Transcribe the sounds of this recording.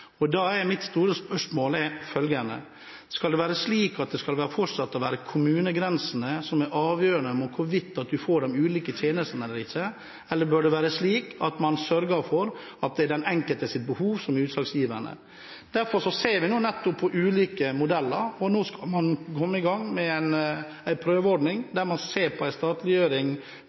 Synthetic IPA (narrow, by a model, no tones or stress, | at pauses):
ɔd̪ɑːɛɾmɪt̪st̪uːɾəspœʂmoːlɛfœlɡəɳə̰ | skɑld̪ɛʋæːɾəsliːkɑt̪̚d̪ɛskɑlʋæːɾəfɔʈsɑt̪ːɔʋæːɾəkʰʊmʉːnəɡɾɛnsənəsɔmæɾʔɑːʋjøːɾəɳəmuːt̪̚kʰʊɾʋɪt̪ːɑt̪̚d̪ʉfoːɖɛmʉːliːkət̪ʰjeːnəst̪nɛlːəɾɪçːə | ɛlːəɾbøːɖɛʋæːɾəsliːkɑt̪mɑnsœɾɡəɾfɔɾɑt̪̚d̪ɛɖ̪ɛnɛŋkəlt̪əsɪt̪̚bəhuːʋsɔmʉːt̪sɑksjiːʋəɳə̰ | d̪̥æɾfɔɾʂɔseːɾʋɪnuːnɛt̪ːʊpʰːɔʔʉːliːkəmʊd̪ɛlːəɾɔnoːskɑmɑnkʰɔmːəɪɡɑŋːmɛæn | æɪpʰɾøːʋəɔɖɳɪŋd̪æɾmɑnseːɾpʰɔæɪst̪ɑːt̪lɪjøːɾɪŋ